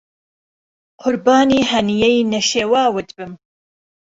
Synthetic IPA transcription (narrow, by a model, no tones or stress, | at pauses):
qʰʊɾbɑːniːhɐnijɛjnɐʃeːwɑːwɨt̪bɨm